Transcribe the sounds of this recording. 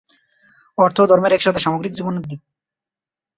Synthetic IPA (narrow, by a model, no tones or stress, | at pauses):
ɔɾt̪ʰod̪ʱɔɾmeɾɛkʃat̪ʰeʃamoɡɾikd͡ʑubonod̪ːi